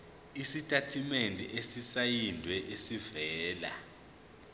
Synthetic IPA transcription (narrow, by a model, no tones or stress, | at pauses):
isitʼatʰimendʱɛ̰ʔesisajindʱwɛʔesivɛːla̰